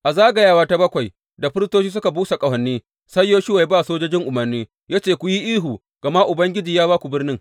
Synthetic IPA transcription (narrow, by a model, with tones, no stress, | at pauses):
ʔa˨zaː˦ɡa˨jaː˦waː˦ta˦bɐ˦kʷa˨j | da˨ɸɪ˦ɾɪ˦stoː˦t͡ʃiː˦s̬ʊ˦ka˨buː˦sa˨kʼɐ˨wɐ˨nːiː˦ | sɐ˦jːoː˦ʃɪ˦wa˨˦baː˦˨soː˦d͡ʒoː˦d͡ʒɪ˦ŋʔʊ˨mɐ˨rniː˦ | jaː˦t͡ʃeː˨kʷu˨ji˦ʔiː˦ɦu˨ | ɡ̥ɐ˨ma˦ʔʊ˨bɐ˦ŋɡʲɪ˦d͡ʒiː˨jaː˦baː˦kʷu˨bɪ˦rnɪ˦ŋ